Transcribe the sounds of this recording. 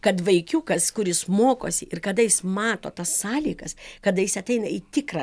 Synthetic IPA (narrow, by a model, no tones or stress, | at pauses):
kɐt̪ʋɐɪkʲuːkɐskʊɾʲɪsmoːko̰ːsʲɪʔɪrkɐd̪ɐjɪsmɑːt̪oːt̪ɐssɑːlʲiːɡɐskɐd̪ɐjɪsɐt̪ʲɛɪnɐiːt̪ʲɪkrɐ